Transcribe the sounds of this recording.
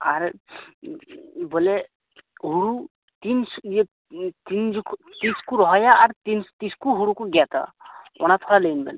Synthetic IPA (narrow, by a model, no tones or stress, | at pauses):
a̰ɾ | bɔlɛ | ɦuɽu | t̪inse | t̪ind͡ʒukʰt̪iskuɾɔɦɔjaːɾt̪int̪iskuɦuɽukuɡat̪a̰ɔ̰nat̪ʰɔɽalenbɛ̰n